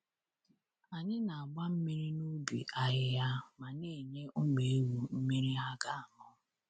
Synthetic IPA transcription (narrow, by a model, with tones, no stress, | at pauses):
a˨ɲɪ˦na˨a˨ɡ͡ba˦m̩˦mi˦ɾi˦nu˦bḭ˨ʔa˨ɦɪ˦ja˦ma˨ne˦˨ɲe˦ʔʊ˦ɡ͡be˨e˦wu˨m̩˦mi˦ɾi˦a˦ɡa˦a˨mɔ˦